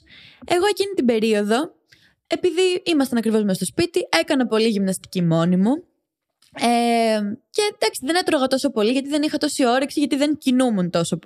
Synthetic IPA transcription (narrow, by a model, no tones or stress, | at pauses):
e̞ɣo̞e̞cinit̪ibe̞ɾio̞ðo̞ | e̞piðiimɐst̪ɐnɐkɾivo̞zmest̪ospit̪ie̞kɐnɐpo̞liʝimnɐst̪i̥cimo̞nimu | e | ce̞d̪ɐksiðe̞ne̞t̪ɾoɣɐt̪o̞so̞po̞liʝɐt̪iðe̞nixɐt̪o̞sio̞ɾiksiʝɐt̪iðe̞ɲcinumunt̪o̞so